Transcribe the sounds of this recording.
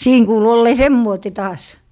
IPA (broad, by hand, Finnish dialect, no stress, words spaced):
siːn kuːlu olːeː semːoite tɑːs